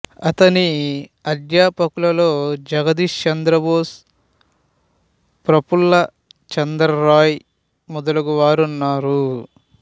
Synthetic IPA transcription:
ɐt̪ɐniɐd̪jaːpɐkulɐlo̞ːd͡ʒɐɡɐd̪iʂt͡ʃɐnd̪ɾɐboːs | pɾɐpulːɐ | t͡ʃɐnd̪ɐɾɐɾaːj | mɔd̪ɐluɡuʋaːɾunːaːɾu

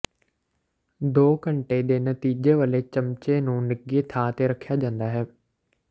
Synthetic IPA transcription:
d̪oːkəɳʈed̪eːnɐt̪iːd͡ʒeʋəlet͡ʃəmt͡ʃenũːnɪɡet̪ʰaːt̪eɾɐkʰijaːd͡ʒãːnd̪aːɦɛː

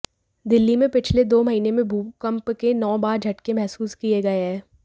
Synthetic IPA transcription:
d̪ɪlːimẽpɪt͡ʃʰled̪oːmɐɦiːnemẽbʱuːkə̃mpkenɔːbaːɾd͡ʒʱɐʈkemɛɦsuːskieɡɐeɦɛɛː

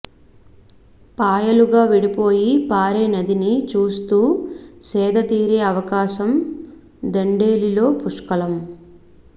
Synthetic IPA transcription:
paːjɐluɡaːʋiɽipo̞ːjipaːɾeːnɐd̪init͡ʃuːst̪uːsɛːd̪ʱɐt̪iːɾe̞ːɐʋɐkaːʃɐm | d̪ɐɳɖe̞ːlilo̞ːpuʂkɐlɐm

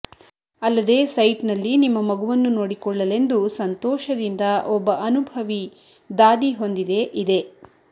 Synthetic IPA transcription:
ɐlːɐd̪e̞ːsɐjʈnɐlːinimːɐmɐɡuʋɐnːuno̞ːɽikɔɭːɐle̞nd̪usɐnt̪ɔːʃɐd̪ind̪ɐʔɔbːɐʔɐnubʱɐʋi | d̪aːd̪iɦo̞nd̪id̪e̞ʔid̪e̞

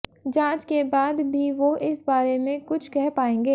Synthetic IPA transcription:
d͡ʒãːt͡ʃkebaːd̪bʱiʋoʔɪsbaːɾemẽkʊt͡ʃʰkɛɦpaːẽːŋɡeː

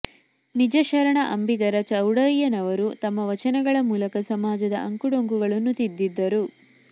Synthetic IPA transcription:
nid͡ʒɐʃɐɾɐɳɐʔɐmbiɡɐɾɐt͡ʃɐwɽɐjːɐnɐʋɐɾut̪ɐmːɐʋɐt͡ʃɐnɛɡɐɭɐmuːlɐkɐsɐmaːd͡ʒɐd̪ɐʔɐŋkuɽoŋɡuɡɐɭɐnːut̪id̪ːid̪ːɐɾu

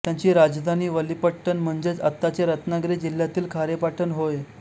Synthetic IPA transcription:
t̪jaɲt͡ɕiːɾad͡zd̪ʱaniːʋəlipəʈːənm̤əɳd͡zet͡sət̪ːat͡ɕeɾət̪naɡɾed͡ʑil̤jat̪iːlkʰaɾepaʈʰənɦoj

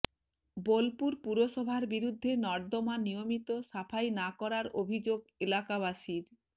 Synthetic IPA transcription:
bolpuɾpuɾoʃɔbʱaɾbiɾud̪ʱːenɔɾd̪omanːijomit̪oʃafʰajnakɔɾaɾobʱid͡ʑoɡelakaβaʃiɾ

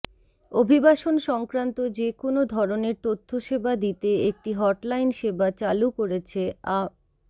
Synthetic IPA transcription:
obʱibaʃonʃɔŋkɾant̪od͡ʑekonod̪ʱɔɾoneɾt̪ot̪ʰːoʃebad̪it̪eek̚ʈiɦɔʈlajnʃebat͡ɕalukoɾet͡ɕʰea

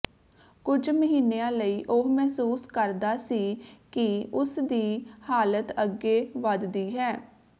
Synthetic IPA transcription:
kʊd͡ʒməɦiːneãːləiːʔoɦmɛːsuːskəɾd̪aːsiːkɪʊsd̪iːhaːlət̪əɡeːʋəd̪d̪iːɦɛː

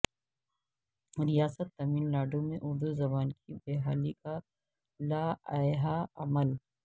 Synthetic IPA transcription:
ɾijaːsət̪ːɐmiːnlaːɖumẽʔʊɾd̪uzɐbaːnkib̪eɦa̰ːlika | laːaɪɦaɐməl

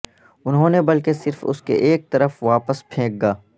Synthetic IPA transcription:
ʊnɦõːnebɐlkesɪɾfʊ̰skḛʔeːk̚t̪ɐɾəfʋaːpəspʰẽːk̚ɡaː

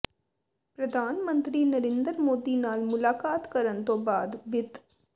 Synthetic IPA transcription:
pɾəd̪ʱaːnmə̃nt̪ɾiːnəɾẽːnd̪əɾmoːd̪iːnaːlmʊlaːkaːt̪kəɾənt̪õːbaːd̪ʋɪt̪

